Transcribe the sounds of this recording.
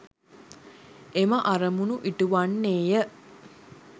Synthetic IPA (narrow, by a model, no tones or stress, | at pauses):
eməʔaɾəmunuʔiʈuʋanːeːjə